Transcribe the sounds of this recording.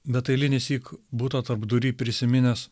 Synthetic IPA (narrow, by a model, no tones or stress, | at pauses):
bʲɛt̪ɐɪlʲɪnʲɪsʲiːkbuːt̪ot̪ɐɾbd̪ʊɾʲiːpʲɾʲɪsʲɪmʲɪnʲɛs